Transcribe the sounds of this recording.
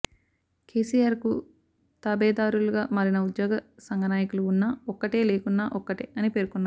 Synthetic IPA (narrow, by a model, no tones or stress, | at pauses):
kʰe̞ːsijaːɾku | t̪aːbɛːd̪aːɾuluɡaːmɐɾinɐud̪jɔːɡɐsɐŋɡɐnaːjɐkuluːnːaɔkːɐʈe̞ːleːkunːaːʔɔkːɐʈeɐnipe̞ːɾukunːaː